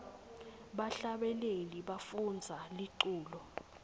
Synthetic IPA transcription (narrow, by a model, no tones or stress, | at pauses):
ɓaɬaɓɛleliɓafund͡zʱaliǃuːlɔ